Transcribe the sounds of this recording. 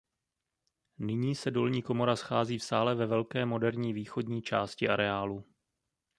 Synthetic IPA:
nɪɲiːsɛdo̞lɲiːko̞mo̞ɾasxaːziːfsaːlɛvɛvɛlkɛːmo̞dɛɾɲiːviːxo̞dɲiːt͡ʃaːscɪʔaɾɛaːlu

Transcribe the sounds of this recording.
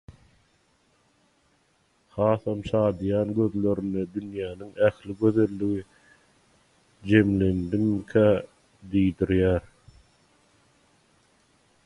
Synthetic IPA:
hɑːθɑmʃɑːd̪jɑːnɡø̞ðlø̞ɾynːed̪ynjæːniŋæxliɡøðe̞lːiɣi | d͡ʒe̞mle̞nd̪imkʰæː | d̪ijd̪iɾjæːɾ

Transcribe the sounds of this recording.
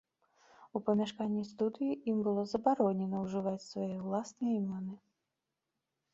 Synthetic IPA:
upɐmʲaʂkanʲːist̪ud̪ɨjiimbɨlˠɔzɐbaɾɔnʲɛnɐwʐɨvat͡sʲsvajɛwlˠasnɨjɐimʲɔnɨ

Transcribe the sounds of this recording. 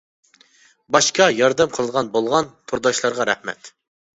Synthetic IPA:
bɑʃkɑjɑɾd̪ɛmqʰəlˠəʁɑnbolˠʁɑnt̪ʰuɾd̪ɑʃlˠɑɾʁɑɾɛ̰hmɛ̰t̪

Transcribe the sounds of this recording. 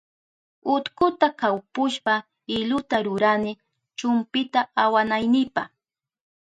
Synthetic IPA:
ʊt̪kʊt̪akawpʊʃpa | ɪʎʊt̪aɾʊɾanɪ | t͡ʃʊmpɪt̪aawanajnɪpaχ

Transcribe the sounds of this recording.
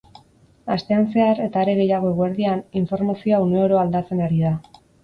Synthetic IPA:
ast̪e̞anse̞aɾe̞t̪aːɾe̞ɣe̞jaɣ̞o̞eɣoeɾðianiɱfo̞ɾmasioauneoɾo̞ald̪at͡se̞naɾiða

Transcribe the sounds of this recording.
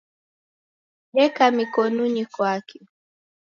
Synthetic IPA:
ɗɛkamikɔnuɲikwakʰi

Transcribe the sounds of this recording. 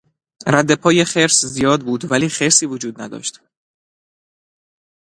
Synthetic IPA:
ɾæd̪ːe̞pʰɒːje̞xe̞ɾszijɒːd̪̚buːd̪væliːxeɾsiːvod͡ʒuːd̪næ̰d̪ɒ̰ːʃt̪

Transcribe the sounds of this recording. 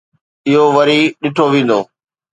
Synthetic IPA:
ɪɦoʋɐɾiɗɪʈʰoʋĩːn̆d̪oː

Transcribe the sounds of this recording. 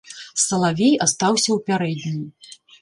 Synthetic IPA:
sɐlˠavʲejast̪awsʲɐwpʲaɾɛd̪ʲnʲi

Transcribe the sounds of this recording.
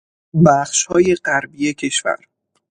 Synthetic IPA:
bæχʃhɒːje̞ɢæɾbiːecʰe̞ʃvæ̰ɾ

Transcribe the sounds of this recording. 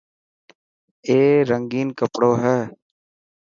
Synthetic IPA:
eːɾəŋɡiːnkəpɽoːɦɛː

